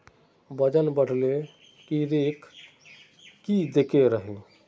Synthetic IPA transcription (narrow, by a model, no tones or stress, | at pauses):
bəd͡ʒənbəɽ̤le | kiɾeːkʰ | kːid̪ekeɾəɦe